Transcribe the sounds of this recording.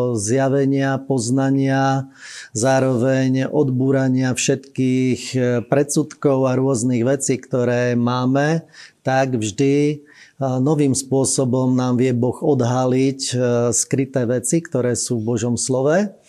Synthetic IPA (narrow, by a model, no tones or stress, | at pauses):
zjaʋɛɲɪapɔznaɲɪa | zaːɾɔʋɛɲʔɔd̪buːɾaɲɪafʃɛt̪kiːxpɾɛt͡sut̪kɔʊaɾʊɔzniɣʋɛt͡siːkt̪ɔɾɛːmaːmɛt̪aɡvʒd̪i | nɔʋiːmspʊɔsɔbɔmnaːmʋɪɛbɔɣɔd̪ɦalicskɾit̪ɛːʋɛt͡sikt̪ɔɾɛːsuːvbɔʒɔmslɔʋɛ